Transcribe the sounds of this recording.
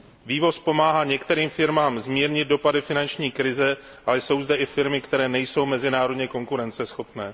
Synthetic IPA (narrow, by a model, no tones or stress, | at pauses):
viːvo̞spo̞maːɦaːɲɛkt̪ɛɾiːmfɪɾmaːmzmiːɾɲɪd̪̚do̞padɪfɪnant͡ʃɲiːkɾɪzɛ | ʔalɛso̞wzdɛʔɪfɪɾmɪkt̪ɛɾɛːnɛjso̞wmɛzɪnaːɾo̞dɲɛko̞ŋkuɾɛnt͡sɛsxo̞pnɛː